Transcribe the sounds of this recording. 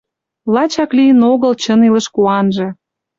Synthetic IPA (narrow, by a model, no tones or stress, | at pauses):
lɑt͡ɕɑklijənoɣəlt͡ɕənilə̆ʃkuɑnʒĕ